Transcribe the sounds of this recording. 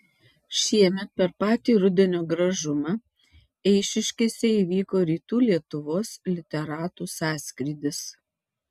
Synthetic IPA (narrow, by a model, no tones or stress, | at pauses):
ʃʲiɛmʲɛt̪̚pʲɛɾpɑːt̪ʲiːɾʊd̪ʲɛnʲoːɡɾɐʒʊmɑ | ɛɪʃʲɪʃʲkʲeːsʲɛiːʋʲiːkoːɾʲiːt̪uːlʲiɛt̪ʊʋoːslʲɪt̪ʲɛɾɑːt̪uːsɑːsʲkʲɾʲiːd̪ʲɪs